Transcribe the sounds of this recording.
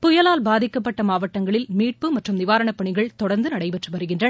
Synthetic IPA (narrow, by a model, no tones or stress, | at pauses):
pʊjɐlaːlbaːðɪkːɐpːɐʈːɐmaːʋɐʈːɐŋɡɐɭɪlmiːʈ̚pɯmɐʈrɯmnɪʋaːɾɐɳɐpːɐɳɪɣɐɭt̪ɔɽɐɾnd̪ɯnɐɽɐɪpɛʈrɯʋɐɾɯɣɪndrɐnɐ